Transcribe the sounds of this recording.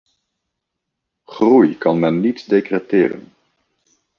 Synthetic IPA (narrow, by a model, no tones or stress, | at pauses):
χrujkɑnmɛnːitdekrɛtɪːrə̰n